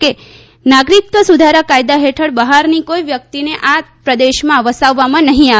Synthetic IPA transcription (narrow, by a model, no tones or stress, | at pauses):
ke | naɡɾik̚t̪ʋəsud̪ʱaɾakajd̪aɦeʈʰəɽbəɦaɾnikoiʋjəkt̪ineʔapɾəd̪eʃmãʋəsaʋːamãnəɦĩa